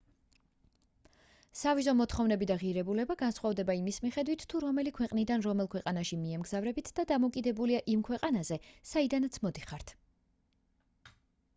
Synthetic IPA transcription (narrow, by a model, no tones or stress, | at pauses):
savizɔmɔt̪ʰχɔvnɛbid̪aʁiɾɛbulɛbaɡansχwavd̪ɛbaimismiχɛd̪wit̪ʰːuɾɔmɛlikʰwɛqʼnid̪anɾɔmɛlˠkʰwɛqʼanaʃimiɛmɡzavɾɛbit̪ʰd̪ad̪amɔkʼid̪ɛbuliaʔimkʰwɛqʼanazɛsaid̪anat̪sʰmɔd̪iχaɾt̪ʰ